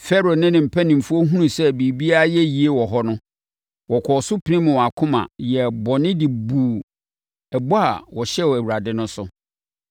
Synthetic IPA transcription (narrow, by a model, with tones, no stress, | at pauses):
fɛ˦ɾo˨nɪ̃˦nɪ̃˨m̩˨pʰæ˦nɪ̃˨m̩˨fu˦o˦ɦũ˦nũ˨sɛ˦bi˨bi˦a˦jɛ˦ji˨e˦wɔ˨ɦɔ˦nʊ̃˦ | wɔ˨kʷʰɔ˨sʊ˦pʰɪ˨nɪ̃˦mʊ̃˨wa˨kʰʊ̃˦mã̰˨jɛ˨bɔ˨nɪ̃˦dɪ˨buː˨ | ɛ˨bɔ˦a˨wɔ˨ɕɛ˦wæ˨wu˨ɾa˨dɪ˦nʊ̃˦sʊ˨